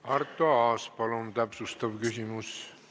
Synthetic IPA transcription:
ɑrt̪ːˑoɑːspɑlunt̪æpsust̪ɑvkysʲimus

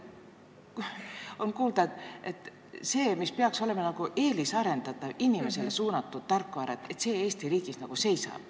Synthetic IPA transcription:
o̞nkuːld̪ɑe̞t̪ː | se̞ːmispeɑkso̞le̞mɑnɑɡ̥uʔe̞ːlisɑɾe̞nd̪̥ɑt̪ˑːɑvinʲime̞se̞le̞suːnɑt̪ːˑud̪̥̚t̪ːɑrkːˑoɑɾɑt̪ːe̞t̪se̞ːeːst̪iɾiːɡisnɑɡ̥use̞jsɑ̰b̥̚

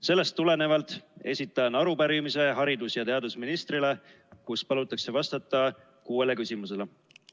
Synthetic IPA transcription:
se̞lːe̞st̪ːule̞ne̞vɑlt̪ːˑe̞̰sʲit̪ːˑɑnɑɾupæɾimise̞ɦɑɾid̪̥usjɑt̪e̞ɑd̪̥usminist̪rile̞ | kuspɑlut̪ːˑɑkse̞vɑst̪ɑt̪ːˑɑ | kuːele̞kysʲimuse̞le

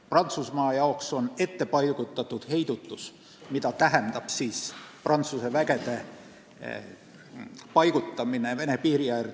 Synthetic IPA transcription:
prɑnt̪susmɑːjɑokso̞ne̞t̪ːe̞pɑjɡ̥ut̪ːˑɑt̪ːud̪̥he̞jd̪̥ut̪ːˑus | mit̪ɑt̪æɦend̪̥ɑb̥siːsprɑnt̪suse̞væɡe̞d̪̥e̞ | pɑjɡ̥ut̪ːˑɑmine̞ve̞ne̞piːɾijær

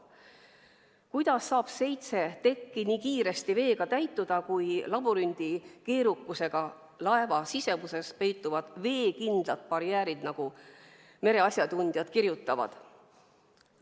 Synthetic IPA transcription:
kujd̪̥ɑsːɑːb̥se̞jt̪se̞t̪e̞kˑːiniːkiːɾe̞st̪ive̞ːɡ̥ɑt̪æjt̪ːˑud̪̥ɑkujlɑbuɾynʲd̪̥ike̞ːɾukːˑuse̞ɡ̥ɑ | lɑe̞vɑsise̞muse̞spe̞jt̪ːˑuvɑd̪̥ve̞ːkind̪̥lɑt̪̚pɑɾjæːɾid̪nɑɡ̥u | me̞ɾe̞ɑsʲjɑd̪unʲd̪̥jɑd̪̥kiɾjut̪ːˑɑvɑ̰d̪̥

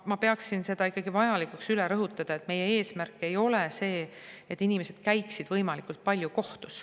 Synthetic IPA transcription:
mɑpe̞ɑksinse̞d̪ɑikːɑɡ̥ivɑjɑlikˑuksyleɾɤɦut̪ːˑɑd̪̥ɑe̞t̪ˑme̞jee̞ːsmærkːˑe̞jo̞lese̞ːet̪ːˑinimese̞d̪̥kæjksid̪̥vɤjmɑlikːˑult̪̚pɑlʲjukoht̪us

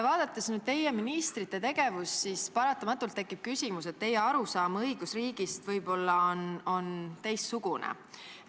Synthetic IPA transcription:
vɑːd̪̥ɑt̪ːˑesnyːd̪̥̚t̪e̞jeminist̪rit̪ːˑe̞t̪e̞ɡ̥e̞vusːispɑɾɑt̪ːˑɑmɑt̪ːˑult̪ːe̞kːˑip̚kysʲimuse̞t̪ːe̞jeɑɾusɑːmɤjɡ̥usriːɡ̥ist̪vɤjb̥o̞lːɑono̞nt̪e̞jssuɡunḛ

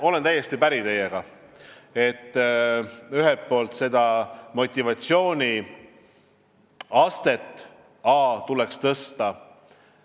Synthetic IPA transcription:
o̞le̞nt̪æjːe̞st̪ipæɾit̪e̞jːeɡ̥ɑ | e̞t̪ː | yɦelt̪̚po̞ːlt̪se̞d̪̥ɑmo̞t̪ʲːˑivɑt̪sio̞ːnʲi | ɑst̪e̞t̪ˑː | ɑːt̪ulekst̪ɤst̪ɑ

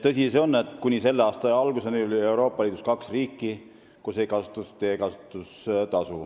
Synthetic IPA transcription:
t̪ɤsʲiseo̞nːe̞t̪ːˑkunʲise̞lːeɑːst̪ɑɑlɡ̥usenelolʲie̞wɾo̞ːpːˑɑliːd̪uskɑksriːkˑːi | kuse̞jkɑsu̥t̪ːˑust̪ːeːkɑsut̪ːˑust̪ɑsu

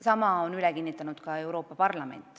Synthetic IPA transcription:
sɑmɑonylɛkinːit̪ːˑɑnud̪̥kɑe̞wɾo̞ːpːɑpɑrlɑme̞̰nt̪ːˑ

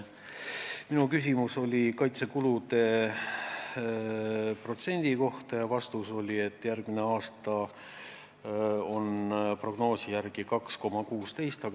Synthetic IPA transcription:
minukys̬ʲimuso̞lʲikɑjt̪se̞kulud̪e̞ | pro̞t̪se̞nʲd̪̥iko̞ht̪ɑjɑvɑst̪uso̞lʲie̞t̪ːˑjærɡmineɑːst̪ɑ | o̞npro̞ɡ̥no̞ːsijærɡ̥ikɑksko̞mɑkuːst̪e̞jst̪ɑ

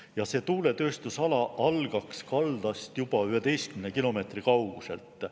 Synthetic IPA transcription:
jɑse̞ːt̪uːle̞t̪ø̞ːst̪usɑlɑʔɑlɡ̥ɑkskɑld̪̥ɑst̪jub̥ɑyhe̞d̪e̞jst̪kymnekilo̞me̞ːt̪rikɑwɡ̥use̞̰lt̪ːˑ

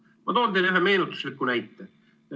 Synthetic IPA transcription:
mɑt̪oːnd̪enyɦeme̞ːnut̪ːˑu̥slikːunæjt̪ːe

